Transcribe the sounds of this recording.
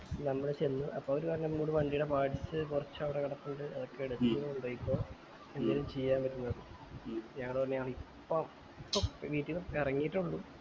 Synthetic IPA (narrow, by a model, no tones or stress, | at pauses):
nɐmːɐɽet͡ɕenːuʔɐpːoːoɾukaːɾɐnːɐmmuːɽumɐɳɖijɽepaːʈisɨkurɐt͡ɕːɐʋiɽekɐɽɐpːuɳɖɨɐðokːeːɽut̪ːuuɳɖoːjikʲːoː | end̪ːeːlumt͡ɕe̞jːaːnpɐɾːunːɐðɨ | ɲɐŋːɐɭɨpɐrnːeɐːɐɭipːom | pːoʋiːtːiirɐŋːijiʈːuɭːu